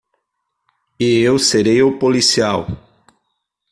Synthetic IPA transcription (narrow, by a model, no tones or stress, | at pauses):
ɪewseɾejʊpolisiaw